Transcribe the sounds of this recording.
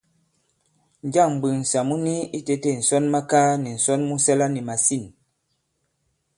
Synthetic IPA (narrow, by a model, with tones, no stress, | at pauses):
n˨˦d͡ʒa˦˨ŋm˨bi˨n̩˨sa˨mu˦ni˦i˦te˦te˦˨n̩˨sɔ˦nma˦kaː˦ni˨n̩˨sɔ˦nmu˦sɛ˦la˦ni˨ma˨si˦˨n